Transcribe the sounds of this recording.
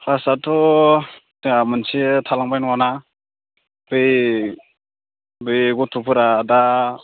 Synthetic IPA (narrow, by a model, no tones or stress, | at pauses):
kasatʰɔ | amɯnsitʰalaŋbajnɔwana | b̥ɯj | bɯjɡɔtʰupʰɯɾada